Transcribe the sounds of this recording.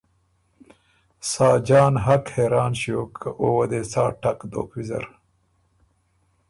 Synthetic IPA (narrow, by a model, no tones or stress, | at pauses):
saːd͡ʑaːnɦɐkheːɾaːnɕijoːkʰːɐʔoːwɐd̪eːt͡saːʈɐkd̪o̰ːkwizɐ̰ɾ